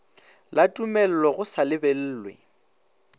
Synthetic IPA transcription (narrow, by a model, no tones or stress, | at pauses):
latʼumɛl̩lɔɣʊsalɪbɛl̩ːlwḛ